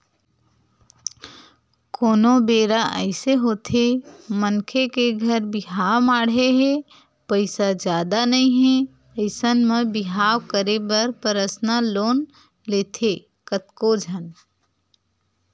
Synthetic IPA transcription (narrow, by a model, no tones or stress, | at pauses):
koːnobeːɾaʔəɪseɦoːt̪ʰemənkʰekeɡʱəɾbɪɦawmaːɽeɦɛ | pəɪsad͡ʒjaːd̪anəĩɦɛ̃ | əɪsənmebɪɦaːwkəɾebəɾpəɾəsnaloːn | leːt̪ʰe | kət̪kod͡ʒʱən